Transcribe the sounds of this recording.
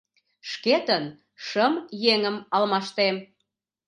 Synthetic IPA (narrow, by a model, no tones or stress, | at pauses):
ʃket̪ən | ʃəmjeŋəmɑlmɑʃt̪em